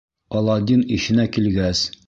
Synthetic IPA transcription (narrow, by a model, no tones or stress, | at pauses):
ɒlˠɑd̪ʲiniɕɘ̆nækilɡæs